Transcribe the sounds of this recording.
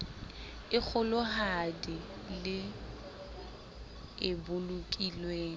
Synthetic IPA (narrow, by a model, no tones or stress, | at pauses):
ɪk͡xʰʊlʊɦadɪ | lɪ | ɪbʊlʊkʼilweːŋ